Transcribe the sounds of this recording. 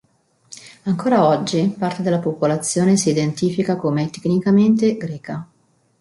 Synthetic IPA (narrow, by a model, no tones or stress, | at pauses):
aŋkoːɾaɔd͡ʒːipart̪ed̪elːapopolat̪sːjoːnesiːd̪ent̪iːfikakomet̪ːe̥kːnikament̪eɡɾɛːka